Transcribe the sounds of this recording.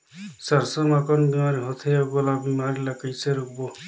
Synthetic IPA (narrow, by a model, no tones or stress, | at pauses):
səɾsəmakənbimaɾiɦot̪ʰeəɡolabimaɾiləkəjseɾukbo